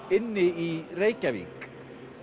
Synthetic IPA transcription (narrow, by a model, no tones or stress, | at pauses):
ɪnːɪireːjcavḭːk